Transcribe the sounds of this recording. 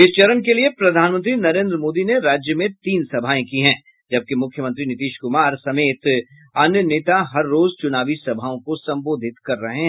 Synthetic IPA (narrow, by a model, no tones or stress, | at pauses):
ɪst͡ʃɐɾənkeliepɾɐd̪ʱaːnmə̃nt̪ɾinɐɾẽːnd̪ɾəmoːd̪ineɾaːd͡ʒjəmẽt̪iːnsɐbʱaːẽkiɦɛ̃ː | d͡ʒɐb̚kemʊkʰjəmə̃nt̪ɾinɪt̪iːʃkʊmaːɾsɐmeːt̪ | ɐnjəneːt̪aɦɐɾːoːzt͡ʃʊnaːʋisɐbʱaːõkosɐ̃mboːd̪ʱɪt̪kɐɾːɐɦẽɦɛ